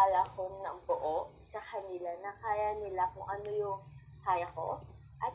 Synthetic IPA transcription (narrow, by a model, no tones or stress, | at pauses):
alɐʔɐkonɐŋbʊʔoʔsɐkɐnɪlanɐkaːjɐnɪlakʊŋʔɐno̞jʊŋ | kaːjɐko̞̰ | ʔɐt̪